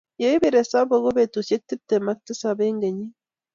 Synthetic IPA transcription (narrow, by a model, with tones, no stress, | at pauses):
je˦i˦be˦˨ɾe˨sa˦bo˨ɣo˦be˨t̪u˨sje˦k̚t̪ɨ˦p̚t̪e˨ma˦k̚t̪ɨ˦sa˨be˦ŋɡe˨ɲi˦